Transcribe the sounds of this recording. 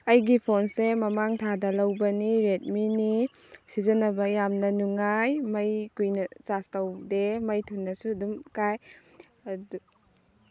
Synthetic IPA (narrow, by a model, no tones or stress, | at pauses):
ɐjɡipʰonsemɐmaŋtʰadɐlɐwbɐniɾet̚mini | sizɐnɐbɐjamnɐnuŋajmɐjkujnɐt͡ʃastɐwdemɐjtʰunːɐsuɐdumkaj | ɐdu